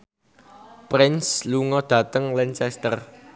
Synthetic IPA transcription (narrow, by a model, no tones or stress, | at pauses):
pɾɪnsluŋɔd̪̥ä̤t̪əŋlɛnt͡ʃɛst̪ər